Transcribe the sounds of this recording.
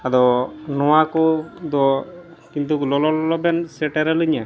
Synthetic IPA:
ad̪ɔnɔwakɔd̪ɔ | kint̪uklɔlɔlɔlɔbɛnsɛʈɛɾɛlɯɲa

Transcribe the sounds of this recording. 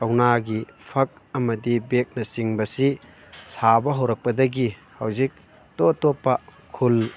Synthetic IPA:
ɐwnaɡipʰɐk̚ɐmɐdibek̚nɐsiŋbɐsi | sabɐɦɐwɾɐk̚pɐdɐɡi | hɐwzik̚ | totopːɐkʰul

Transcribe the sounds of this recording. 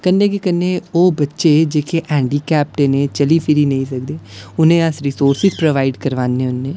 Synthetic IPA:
kənːeːkɪkənːeːoːbətːʃeːd͡ʒeːkʰeːʔɛ̃ːɳɖiːkɛːp̚ʈeːneːt͡ʃəliːpʰɪɾiːnəĩːsək̚d̪eːʊnẽːəsɾiːsoːɾsɪzpɾoʋaːiɖkəɾʋaːnːẽːʊnːẽː

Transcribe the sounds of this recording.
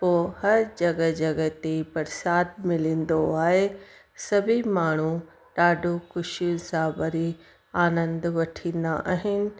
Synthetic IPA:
poːhɐɾd͡ʑɐɡə̆d͡ʑɐɡə̆t̪ebɐɾsaːd̪̚mɪlĩːn̆d̪oaːɦe | sɐbʱimaːɳ̤u | ɗaːɖʱokʊʃijʊ̃n̆sãbɐɾi | aːnə̃nd̪ʋɐʈʰĩːnd̪aʔaːɦɪnɪ̆

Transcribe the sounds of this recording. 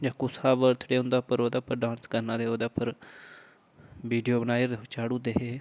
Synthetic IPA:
d͡ʒãːkʊsaːʋəɾt̪ʰɽeːɦʊ̃nd̪aːpəɾoːd̪aːpʰəɾɖãːnskəɾnãːd̪eːoːd̪aːpʰəɾ | ʋiːɖijoːbənaːjɾd̪eot͡ʃaːɽũːd̪eːɦeː

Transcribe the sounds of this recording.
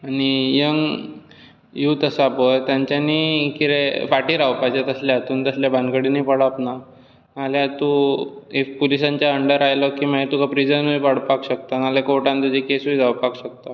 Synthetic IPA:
añijəŋ | juːt̪əsapəjt̪jaɲt͡ɕjanikiɾefaʈiːɾaʋwpajd͡ʑat̪əslaat̪uːnt̪əsljabʱãnkəɽinipəɽapna | naljat̪uepulisãɲt͡ɕjaəɳɖəɾajlɔkimaɦet̪ukapɾid͡zənujpəɽ̤pakɕək̚t̪analekoʈãnt̪ud͡ʑikesud͡zawpakɕək̚t̪a

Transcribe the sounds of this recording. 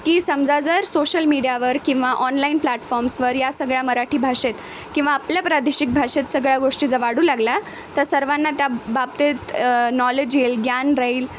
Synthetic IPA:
kiːsəmd͡zad͡zəɾsoɕəlmiɽijaʋəɾkĩw̃ʋaʔɔnlainplɛʈfɔɾmsʋəɾjasəɡɭjaməɾaʈʰiːbʱaɕet̪ | kĩw̃ʋaːpljapɾad̪eɕik̚bʱaɕet̪səɡɭjaɡoʂʈiːd͡zəʋaɽuːlaɡla | t̪əɾsəɾʋanːat̪jabab̚t̪et̪nɔled͡ʑelɡjanɾəiːl

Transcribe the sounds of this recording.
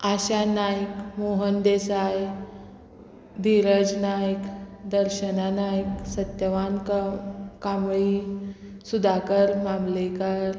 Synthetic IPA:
aɕanajkmoɦənd̪esaj | d̪iɾəd͡ʑnajkd̪əɾɕənanajksət̪jəʋank | kamɭi | sud̪ʱakəɾmamlekəɾ

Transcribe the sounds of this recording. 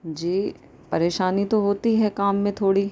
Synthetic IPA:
d͡ʒiː | pɐɾeːʃaːnit̪oɦoːt̪iɦɛkaːmːẽt̪ʰoːɽi

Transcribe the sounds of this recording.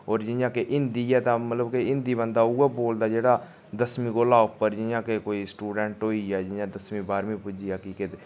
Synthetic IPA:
oːɾd͡ʒɪjãːkeʔɪnd̪iːɛːt̪ãːmət̪ləbkeɪnd̪iːbənd̪aːuaːboːld̪aːd͡ʒeːɽaː | d̪əsmĩːɡoːlaːʊpːəɾd͡ʒɪjãːkekoːiːsʈuːɖɛːɳʈɦoːiːɛːd͡ʒɪjãːd̪əsmĩːbaːɾmĩːpʊd͡ʒiːaːkɪkɪt̪

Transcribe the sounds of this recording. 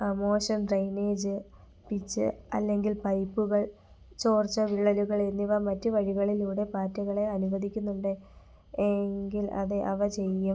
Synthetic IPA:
mo̞ːɕɐmɖrejne̞ːd͡ʑɨ | pit͡ɕːɨ̰ɐlːe̞ŋɡilpɐjpːuɣɐɭ | t͡ɕo̞ːrt͡ɕːɐʋiɭːɐluɣɐɭenːiʋɐmɐtːuʋɐɻiɣɐɭiluːɽe̞paːtːuɣɐɭe̞ɐnuʋɐd̪ʱikʲːunːuɳɖɨ | eŋɡilɐ̰ðɨʔɐʋɐt͡ɕe̞jːum

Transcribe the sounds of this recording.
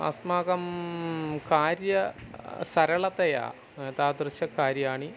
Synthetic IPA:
ɐ̰smaːɣɐm | kaːɾjɐsɐɾɐɭɐt̪ːɐja̰ː | t̪aːd̪rɨɕɐkːaːɾjɐaːɳi

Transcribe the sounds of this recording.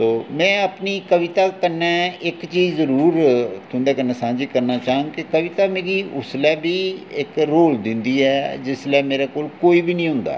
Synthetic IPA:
toːmɛ̃ːəpniːkəʋɪt̪aːkəɾnɛːɪkt͡ʃiːzəɾuːɾt̪ʰʊ̃nd̪ɛːkəɾnɛ̃ːsãːnd͡ʒiːkəɾnaːt͡ʃaːə̃ŋɡkɪkəʋɪt̪aːmeːɡiːʊslɛːbiːɪkɾoːld̪ɪnd̪iːɛːd͡ʒɪslɛːmeːɾɛːkoːlkoːiːbiːnĩːɦʊ̃nd̪a̰ː

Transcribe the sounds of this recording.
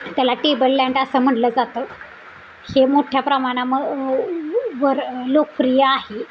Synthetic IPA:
t̪jalaʈebəɾljaɳɖəsəm̤əɽləd͡zat̪əː | hemoʈʰjapɾəmaɽ̃aməɡ | ʋəɾlokəfɾijəaɦe

